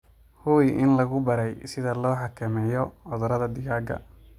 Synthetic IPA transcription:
hʊjʔɪnlɐɣʊbɐɾɛjsɪðɐlɔːħɑkʰɐmɛjɔʕɔðʊɾɐðɐd̪ɪɣaːɡɐ̰

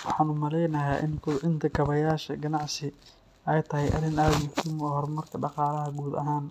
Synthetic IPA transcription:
wɑħɑːnʊmɐlɛjnɐjaːʔɪ̰nkʰʊdʕɪnt̪ʰɐkʰɐβɐjaːʃɐɡɐnɑʕsɪ | ɛjt̪ʰɐɦɛjʔɐ̰ɾɪnaːd̪jʊħt̪ɪmɔɦɔrmɐrkʰɐɖɑqɑːlɐɦɐɡuːd̪ɐ̰ɦaːn

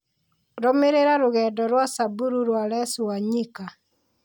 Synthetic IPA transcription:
ɾomeɾeɾaɾoɣɛdɔɾwasabuɾuɾwalɛsuwaɲika

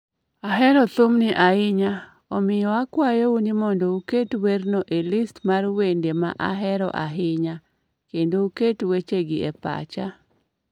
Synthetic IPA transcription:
aɦɛɾɔt̪omnɪʔaɪɲa | ɔmɪjɔakwajounimɔndɔuketwernɔʔelistmarwendema̰ʔa̰ɦɛɾɔ̰ʔa̰ɦɪɲa | kendouketwet͡ʃeɡɪɛpa̰t͡ʃa̰

